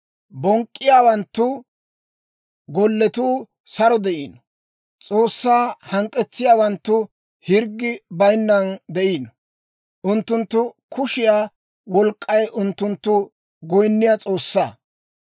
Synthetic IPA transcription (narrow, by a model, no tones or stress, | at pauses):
bɔŋkʼːɪjaːwɐnt̪ːʊ | ɡɔlːɛt̪uː | sɐɾɔd̪ɛʔiːnɔ | t͡sʼoːsːaːhɐŋkʼːɛt͡sːɪjaːwɐnt̪ːʊ | hɪɾɡːɪbɐjnːɐnd̪ɛʔiːnɔ | ʔʊnt̪ːʊnt̪ːʊ | kʰʊʃɪjaː | wɔlkʼːɐjʔʊnt̪ːʊnt̪ːʊ | ɡɔjnːɪjat͡sʼo̞ːsːaː